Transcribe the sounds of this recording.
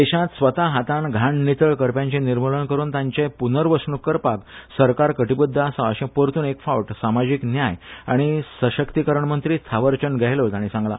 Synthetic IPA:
d̪eɕãt̪sʋət̪aɦat̪ãɳɡʱaɳːit̪əɭkəɾpjãɲt͡ɕẽniɾmələnkəɾuːnt̪ãɲt͡ɕepunəɾʋəsɳukːəɾpaksəɾkaɾkəʈibud̪ʱːasãəɕẽpəɾt̪uːnekfaʋʈsamad͡ʑiknjaja̰ɽ̃isəɕəkt̪ikəɾəɳmənt̪ɾiːt̪ʰaʋəɾt͡ɕənɡɛɦlot̪aɽ̃ĩsãŋɡla̰

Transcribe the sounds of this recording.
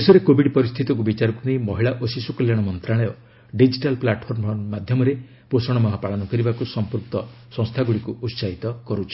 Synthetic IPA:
esɔɾekobiɖpɔɾist̪ʰit̪ɔk̬ubit͡ʃaɾɔkunejmɔɦiɭaʔosisukɔljaɽ̃ɔmɔnt̪ɾaɭɔjɔ | ɖid͡ʒiʈalplaʈpʰɔɾmʱɔnmad̪ʱjɔmɔɾe | posɔɽ̃ɔmɔɦapaɭɔnɔkɔɾibakusɔmpuɾk̚t̪ɔ | sɔ̃ŋst̪ʰaɡuɽikuʔut̪saɦit̪ɔkɔɾut͡ʃʰi̥

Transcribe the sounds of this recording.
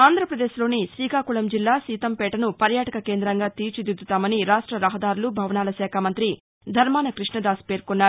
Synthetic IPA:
aːnd̪ʱɾɐpɾɐd̪eːʃlo̞ːnisɾiːkaːkuɭɐmd͡ʒilːaːsiːt̪ɐmpɛːʈɐnupɐɾjaːʈɐkɐkeːnd̪ɾɐŋɡaːt̪iːɾt͡ʃid̪id̪ut̪aːmɐniɾaːʂʈɾɐɾɐɦɐd̪aːɾulubʱɐʋɐnaːlɐʃɛːkʰamɐnt̪ɾi | d̪ʱɐɾmaːnɐkɾiʂɳɐd̪aːspe̞ːɾkunːaːu

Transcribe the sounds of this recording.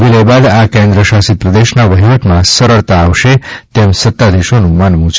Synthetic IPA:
bilebad̪akẽnd̪ɾəʃasipɾəd̪eʃnaʋəɦiʋət̪mãsəɾəɭt̪aːʋʃet̪emsət̪ːad̪iʃonũmanmũt͡ʃ

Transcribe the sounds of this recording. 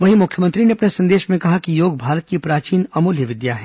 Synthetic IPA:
ʋɐɦimʊkʰjəmə̃nt̪ɾineɐpnesɐ̃nd̪eːʃmẽkɐɦakijoːɡ̚bʱaːɾət̪̚kipɾaːt͡ʃiːnɐmuːljəʋɪd̪jaɦɛ̃ː

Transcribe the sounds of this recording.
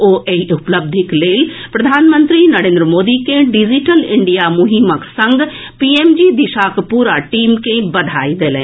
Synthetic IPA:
oːʔeiʔʊpləb̚d̪ʱɪkleːlpɾəd̪ʱaːnmə̃nt̪ɾiːnəɾẽːnd̪ɾəmoːd̪iːkẽɖɪd͡ʒiʈəlɪɳɖijaːmʊɦiməksə̃ŋɡ | piːeːmd͡ʒiːd̪ɪʃaːkpuːɾaːʈiːmkẽbəd̪ʱaːid̪eːlɛ̰̃ː

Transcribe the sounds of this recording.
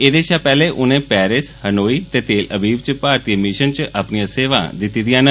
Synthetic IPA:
eːd̪eːʃaːpɛːleːʔʊnẽːpɛːɾɪshənoːiːt̪eːt̪eːlʔəbiːbt͡ʃpaːɾt̪ijemɪʃənt͡ʃaːpnijãːseːʋa̰ːd̪ɪt̪ːiːd̪ɪjãːnə

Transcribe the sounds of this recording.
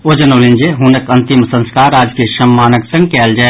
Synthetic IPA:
oːd͡ʒənoːlɪ̃nd͡ʒeɦuːnəkɐ̃nt̪ɪmsə̃nskaːɾaːd͡ʒkiʃɐmːaːnəksɐ̃ŋɡkeɐld͡ʒə

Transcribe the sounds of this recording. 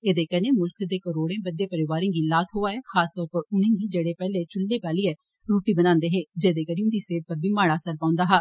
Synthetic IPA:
eːd̪eːkɛnẽːmʊlkʰd̪eːkəɾoːɽẽːbəd̪jeːpəɾɪʋaːɾẽːɡiːlaːt̪ʰɦoːaːɛːxʰaːst̪ɔːɾpəɾʊnẽːɡiːd͡ʒeːɽeːpɛːleːt͡ʃʊlːeːpaːliːɛː | ɾuːʈiːbənãːnd̪eːɦeːd͡ʒeːd̪eːkəɾiːũːd̪iːseːʈ̚pəɾbiːmaːɽaːsəɾpãːʊ̃nd̪aːɦaː

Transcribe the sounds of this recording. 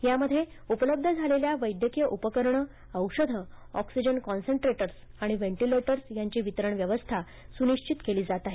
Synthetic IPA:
jaməd̪ʱːje | upələb̚d̪ʱəd͡zʱaleljaʋəjd̪ʱjəkijəʔupəkəɾɳə | əwʂəd̪ʱə | ɔ̰ksid͡ʑənkɔnsəɳʈɾeʈəɾs | aɽ̃iʋeɳʈileʈəɾsjaɲt͡ɕiːʋit̪əɾəɳʋjəʋəst̪ʰa | suniɕt͡ɕit̪keliːd͡zat̪aɦe

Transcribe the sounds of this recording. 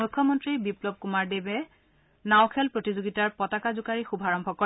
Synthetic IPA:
ujkʰːɔmɔntɹibiplɔb̚kumaɹdebɛ | nawkʰɛlpɹotizoɡitaɹpɔtakazʊkaɹixubʱaɹɔmbʱɔkɔɹ

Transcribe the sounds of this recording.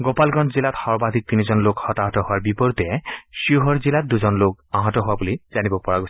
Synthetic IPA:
ɡɔpalɡɔntʰzilatxɔɹbad̪ʱik̚tinizɔnlokhɔtaɦɔtɔhʊwaɹbipɔɹtɛʃiuɦɔɹzilat̚duzɔnlok̚aɦɔtɔɦʊwabuliz̥anibɔpɔɹaɡos

